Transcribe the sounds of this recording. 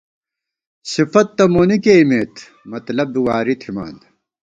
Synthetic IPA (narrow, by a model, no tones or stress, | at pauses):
sifɐt̪ːɐmoːnikeimeːt̪ | mɐt̪lɐbːiwaːɾit̪ʰima̰ːnd̪